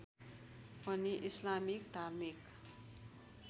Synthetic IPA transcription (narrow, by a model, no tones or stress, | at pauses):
pʌniʔislamikd̪ʱarmik